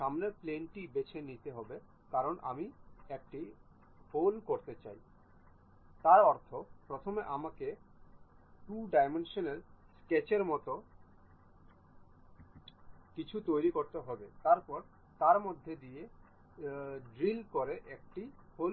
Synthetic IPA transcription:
ʃamneplenʈibet͡ɕʰenit̪eɦɔbe | kaɾonʔa̰miek̚ʈi | holkoɾt̪et͡ɕa̰j | t̪aɾɔɾt̪ʰopɾot̪ʰomeʔamake | ʈuɖajmenʃoneɾsket͡ɕeɾmɔt̪o | kit͡ɕʰut̪ojɾikoɾt̪eɦɔbet̪aɾpɔɾ | t̪aɾmod̪ʱːed̪ie | ɖɾilkoɾeʔɛk̚ʈihol

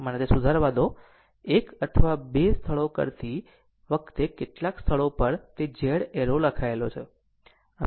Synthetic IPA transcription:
mənet̪esud̪ʱaɾʋad̪o | ekət̪ʰəʋabest̪ʰəɭokə̰ɾt̪i | ʋəkt̪ekeʈlakst̪ʰəɭopəɾt̪ed͡ʒeɽeɾoləkʰaelot͡ʃʰe | ə

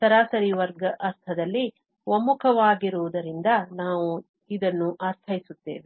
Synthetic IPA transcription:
sɐɾaːsɐɾiʋɐɾɡɐʔɐɾt̪ʰɐd̪ɐlːi | ʋomukʰɐʋaːɡiɾuʋud̪ɐɾind̪ɐnaːʋu | id̪ɐnːuʔɐɾt̪ʰɐjisut̪ːe̞ːʋi

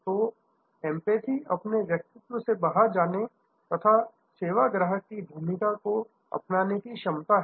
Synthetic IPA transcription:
t̪oː | ɛ̃ːmpeːt̪ʰiʔɐpneʋjɐk̚t̪ɪt̪wəsebaɦəɾd͡ʒaːne | t̪ɐt̪ʰa | seːʋaɡɾəɦəkːibʱuːmɪkako | ɐ̰pnaːnekiʃɐmt̪aɦ

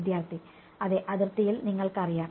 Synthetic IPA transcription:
d̪jaːrt̪i | ɐðeʔɐðirt̪ɐjilniŋːɐɭkɨɐrijaː

